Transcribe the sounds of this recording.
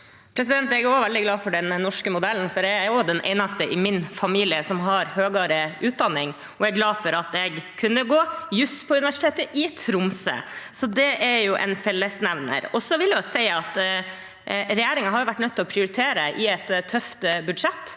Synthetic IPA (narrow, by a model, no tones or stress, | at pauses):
pʰɾɛs̬ɪd̪ɛnt̪ɛɡɔʋɛld̪ɪɡlɑːfɔɖɛnːɔʂkəmʊd̪ɛln̩fɔɖɛɾɔd̪ɛnʔɛ̰ɪnɑst̪əʔɪmɪnfɑmiːlɪəsɔmɦɑɾhøːɡɑɾəʉːt̪̚d̪ɑnːɪŋ | ɔɛɡɡlɑːfɔɾɑt̪ɛɡkʰːʉnːəɡoːjʉspʰɔʉnɪʋæʂɪt̪ʰeːt̪əʔɪt̪ʰɾʊmsə̰sɔd̪ɛʔæɾjʊʔɛ̰nfɛlːəsnæʋnə̰ɾɔsɔʋɪljɑsɛɪɑt̪ | ɾɛjæːɾɪŋɑɦɑɾjʊʋæʈːnœt̪ʰːɪlɔpʰɾɪʊɾɪt̪ʰeːɾəʔɪɛt̪t̪ʰːœft̪bʉd̪ʂɛt̪ː